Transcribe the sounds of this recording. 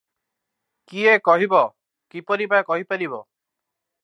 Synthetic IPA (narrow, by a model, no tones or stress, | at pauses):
kiekɔɦibɔ | kipɔɾipakɔɦipaɾiβɔ